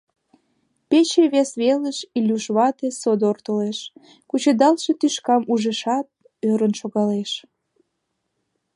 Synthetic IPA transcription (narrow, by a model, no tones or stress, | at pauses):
pet͡ɕeβesβeləʃilʲuʃβɑt̪esod̪ort̪oleʃ | kut͡ɕəd̪ɑlʃet̪yʃkɑmuʒə̆ʃɑt̪̚ | øɾənʃoɣɑleʃ